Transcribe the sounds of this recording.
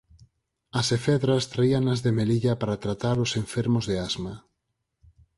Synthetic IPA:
ɐsefɛðɾast̪ɾaiaŋɐzðemeliʎɐpaɾat̪ɾat̪aɾosẽɱfɛɾmozðeazma

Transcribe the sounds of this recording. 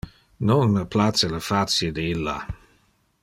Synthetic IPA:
nonməplat̪sələfat̪sjed̪eilːa̰

